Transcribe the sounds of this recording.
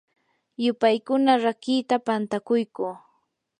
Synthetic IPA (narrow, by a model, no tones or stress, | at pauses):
jʊpajkʊnaɾakiːt̪apant̪akʊjkʊː